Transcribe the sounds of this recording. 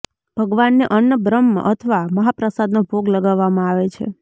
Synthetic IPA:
b̥ʱəɡʋanːeʔənːəbɾəm̰ːʔət̪ʰəʋaməɦapɾəsad̪nobʱoɡləɡaʋːamãaʋet͡ʃʰḛ

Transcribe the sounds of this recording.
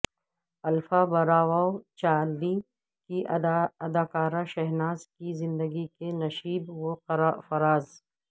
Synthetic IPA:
ɐlfabɐɾaːwat͡ʃaːlːi | kiɐd̪aːkaːɾaʃɐɦnaːzkizɪ̃nd̪əɡikenɐʃiːbwofɐɾaːz

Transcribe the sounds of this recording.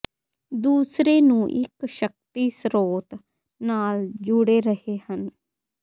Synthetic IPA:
d̪uːsɾeːnũːʔɪkʃək̚t̪iːsɾoːt̪ | naːld͡ʒʊɽeːɾəheːhən

